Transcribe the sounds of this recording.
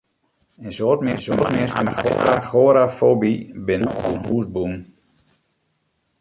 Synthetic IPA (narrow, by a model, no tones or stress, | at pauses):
ensoːtmɪsotmɪstəmaxo̰ɾaxoɾafoːbibɪnəbunhuːsbun